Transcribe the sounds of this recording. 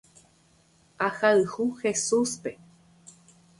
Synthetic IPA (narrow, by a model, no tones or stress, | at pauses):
ahaɨhuxesuspe